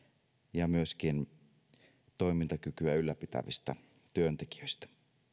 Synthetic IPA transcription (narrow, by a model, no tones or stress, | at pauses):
jɑmyøskin | t̪o̞imint̪ɑkykyæylːæpit̪æ̰ʋist̪æ | t̪yønt̪eki̥øist̪æ̥